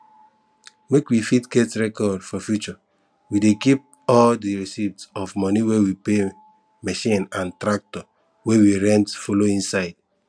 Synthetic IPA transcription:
mekwifitɡɛtɹɛkɔdfɔfjut͡ʃɔ | widekip̚ | ɔldiɹisitsɔfmɔniwewipe | mɛʃĩnãntɾak̚tɔ | wewiɹɛ̃ntfoloĩnsaɪd̥

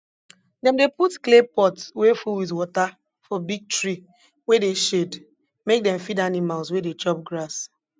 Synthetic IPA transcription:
dɛ̃mdeputklepɔtswefulwiðwɔta | fɔbiɡ̚tɹi | wedeʃed | mek̚dɛ̃mfidanimalswedet͡ʃɔp̚ɡɹas

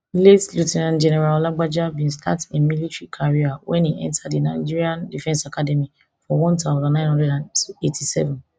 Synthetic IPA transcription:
letlutɛnãnd͡ʒɛnɛɹallaɡ͡bad͡ʒabĩnstʰa̰temilitɹikʰaɹiawʔɛ̰̃niʔɛ̰̃ntʰadinaɪd͡ʒiɹiãndifɛ̃nsakʰadɛmi | fɔwɔ̃ntaʊ̃ndãnːãɪ̃nhɔ̃ndɛdãnetʰisɛ̰vɛ̃n

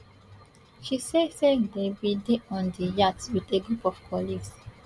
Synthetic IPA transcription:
ʃisesedebideʔɔ̃ndijatwiteɡɾupɔfkʰɔliɡs

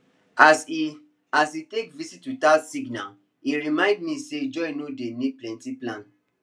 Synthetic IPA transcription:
asi | asitekvisitwitasiɡna | iɹimãɪ̃ndmĩsed͡ʒɔinodenid̚plɛ̃ntiplãn

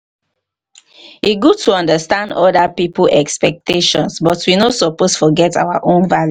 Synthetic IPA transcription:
iɡutʰuɔ̃ndəstãndɔdapiplʔɛkspɛk̚teʃɔ̃nsbɔtwinosɔposfɔɡɛta̰waʔõnvalju

